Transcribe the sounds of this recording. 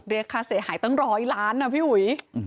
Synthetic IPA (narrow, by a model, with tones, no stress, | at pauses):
ɾe˧kʰːaː˧seː˨˩haː˨˩˦jt̪ɔ˥˩ŋɾɔː˦˥jlaː˦˥nːa˧˩pʰiː˥˩wu˨˩˦j